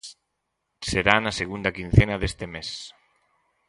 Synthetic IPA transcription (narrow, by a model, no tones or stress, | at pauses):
seɾanaseɣund̪ɐkin̟θenaðest̪emes